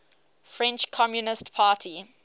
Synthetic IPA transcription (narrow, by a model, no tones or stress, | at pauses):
fɹɛ̃nt͡ʃkʰɔmjunɪstpʰaːtʰi